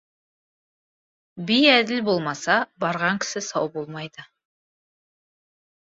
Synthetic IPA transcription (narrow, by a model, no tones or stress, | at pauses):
bijæd̪ɪlbo̞lˠmɑsɑbɑɾʁɑŋkʲʰɪ̥sɪsɑwbo̞lˠmɑjd̪ə